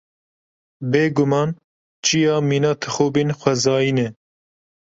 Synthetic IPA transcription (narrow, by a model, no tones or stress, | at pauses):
beːɡʊmɑːn | t͡ʃʰijɑːmiːnɑːt̪ʰɨxoːbeːnxʷɛzɑːjiːnɛ